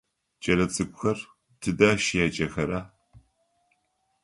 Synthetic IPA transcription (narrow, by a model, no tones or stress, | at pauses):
t͡ʃʼɐlɐt͡sʼɨkʷʼʊxɐr | tʰɨdaːʃɪjaːt͡ʃʼɐxɐɾaː